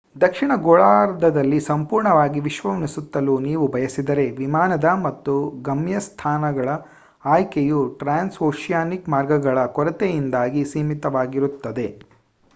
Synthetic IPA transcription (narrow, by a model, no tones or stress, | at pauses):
d̪ɐkʂiɳɐɡoɭaːɾd̪ʱɐd̪ɐlːisɐmpuːɾɳɐʋaːɡiʋiʃʋɐʋɐnisut̪ːɐluniːʋubʱɐjɐsid̪ɐɾe̞ʋimaːnɐd̪ɐmɐt̪ːuɡɐmjɐst̪ʰaːnɐɡɐɭɐ | aːjkejuʈɾaːnsoːʃijaːnikmaːɾɡɐɡɐɭɐkɔɾɐt̪ejind̪aːɡisiːmit̪ɐʋaːɡiɾut̪ːɐd̪e̞